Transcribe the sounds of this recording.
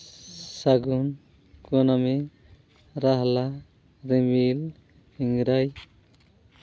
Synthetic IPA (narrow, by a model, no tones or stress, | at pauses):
saɡun | kuɔnami | ɾaɦla | ɾimil | iŋɾaj